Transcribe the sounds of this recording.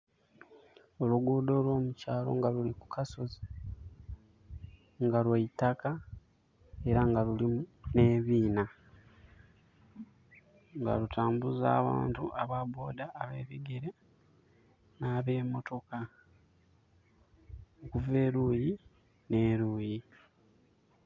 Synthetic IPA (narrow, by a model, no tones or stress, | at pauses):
o̞luɡuːdo̞ːlwo̞ːmucaːlo̞̰ŋɡaluliku̥kʰaso̞zi | ŋɡalwaitaka | e̞ɾaŋɡalulimune̞ːβiːna | ŋɡa̰ɾutʰaːmbuza̰ːβa̰ːntuʔaβabo̞ːdaʔːβe̞ːβiɡeɾe | naːβe̞ːmo̞to̞ka | okuve̞ːɾuːji | ne̞ːɾuːji